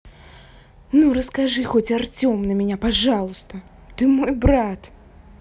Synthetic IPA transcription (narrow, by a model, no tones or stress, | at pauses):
nuɾɐskaʐɨxɔt͡sʲart͡sʲɔmnɐmʲɛnʲapaʐalˠust̪ɐ | t̪ɨmɔjbɾat̪